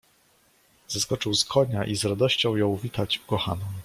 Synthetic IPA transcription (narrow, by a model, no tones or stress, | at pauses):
z̥askɔt͡ʂɘwskʰɔɲaʔizɾad̪ɔɕt͡ɕɔ̃w̃jɔ̃w̃vʲit̪ad͡ʑukɔxa̰nɔ